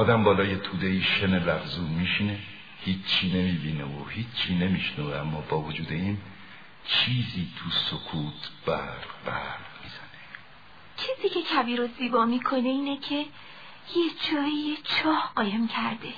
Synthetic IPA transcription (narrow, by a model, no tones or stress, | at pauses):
ɒːd̪æmbɒːlɒːje̞t̪ʰuːd̪eiːʃenelæfzuːnmiːʃine | hiːt͡ʃt͡ʃʰːiːne̞miːbiːneohiːt͡ʃt͡ʃːʰiːne̞miːʃnɔːveæmːɒːbɒːvod͡ʒuːd̪e̞iːn | t͡ʃʰiːziːt̪ʰusokʰuːt̪ʰb̥æɾbæɾmiːz̥æne | t͡ʃʰiːziːcʰe̞cʰæviːɾoziːbɒːmiːkʰo̞neiːnecʰe | jed͡ʒɒːijet͡ʃʰɒːhɢɒːjemcʰæɾd̪e